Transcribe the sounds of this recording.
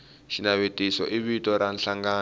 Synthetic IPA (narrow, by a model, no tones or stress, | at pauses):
ʃinaβetisɔ̰ʔiβitʼɔɾanɬaŋɡaː